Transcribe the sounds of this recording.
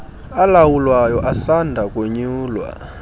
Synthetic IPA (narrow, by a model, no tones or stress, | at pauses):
alawulwajɔʔasandʱakʼoɲuːlwa̰